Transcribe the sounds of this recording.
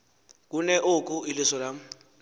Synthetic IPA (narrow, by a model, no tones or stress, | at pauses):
k̬ʼunɛʔokʼuilisɔlam̩